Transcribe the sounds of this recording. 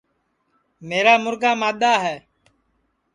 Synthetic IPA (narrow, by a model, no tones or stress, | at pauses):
meːɾaːmʊɾɡaːmaːɗ̪aːɦɛː